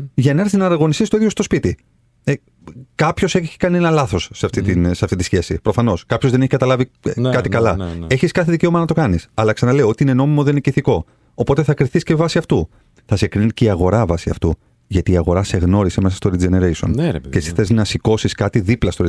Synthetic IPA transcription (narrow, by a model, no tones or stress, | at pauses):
ʝɐnɐɾsznɐɾɐɣo̞nist̪ist̪oiðjost̪o̞spit̪i | e | kɐpço̞seççi̥kɐnienɐlɐθo̞sːeɐft̪it̪inseɐft̪it̪isçe̞sipɾo̞fɐno̞skɐpçozðe̞neçi̥kɐt̪ɐlɐvikɐt̪ikɐlɐe̞çiskɐθeðice̞omɐnɐt̪o̞kɐnisɐlɐksɐnɐle̞io̞t̪iineno̞mimo̞ðeniciθiko̞ | opo̞t̪eθɐkɾiθiscevɐsiɐft̪u | θɐsekɾinet̪eceiɐɣo̞ɾɐvɐsiɐ̰ft̪u | ʝɐt̪iːɐɣo̞ɾɐse̞ɣno̞ɾiseme̞sɐ̥st̪o̞ɾid͡ʒeneɾesio̞̰ncesi̥θeznɐsiko̞siskɐt̪iðiplɐst̪o̞ɾ